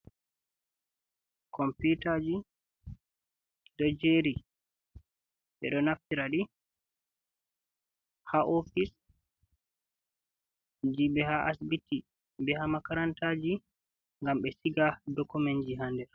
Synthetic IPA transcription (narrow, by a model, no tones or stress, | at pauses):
kɔmputad͡ʒi | dɔd͡ʒeɾi | ɓɛ̰ɗɔnaftiɾaɗi | haʔɔfis | d͡ʒiɓɛhaʔasbiti | bɛhamakaɾantad͡ʒi | ŋɡamɓɛsiɡadɔkumɛnd͡ʒiɦandɛɾ